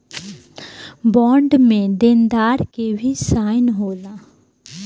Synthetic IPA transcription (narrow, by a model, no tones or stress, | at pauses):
bɔ̃ːɳɖmẽd̪end̪aːɾkebʱisaːɪnɦoːlaː